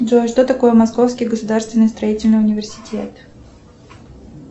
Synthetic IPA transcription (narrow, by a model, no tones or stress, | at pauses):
ʐoʂt̪ot̪ɐko̞jəmɐsko̞fskʲɪjɡəsʊd̪arst̪vʲɪnːɨjst̪ɾɐitʲɪlʲnɨjʊnʲɪvʲɪrsʲɪ̥tʲʰḛt̪